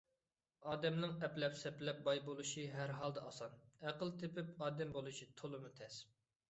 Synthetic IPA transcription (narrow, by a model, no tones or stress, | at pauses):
ɑːd̪ɛmnɨŋɛplɛpsɛplɛp̚bɑjbolˠuʃiɦæɾɦɑlˠd̪ɛɑsɑnæqəlˠt̪ʰepɪpɑːd̪ɛmbolˠuʃit̪ʰolˠɨmut̪ʰɛs